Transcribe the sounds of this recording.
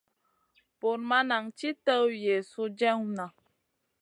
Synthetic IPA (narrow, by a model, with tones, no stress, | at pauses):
po˨ɾma˦na˨ŋt͡ʃi˦tə˦je˨su˦d͡ʒɛ˦ŋ˦na˨